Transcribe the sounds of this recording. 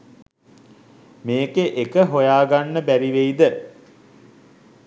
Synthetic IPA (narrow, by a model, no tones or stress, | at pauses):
meːkeʔekəɦojaːɡanːəbæɾiʋejd̪ə